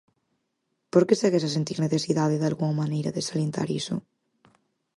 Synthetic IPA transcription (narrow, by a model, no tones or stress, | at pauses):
poɾkeseɣesasent̪iɾneθesiðaðeðalɣuŋamanejɾɐðesalent̪a̰ɾiso̰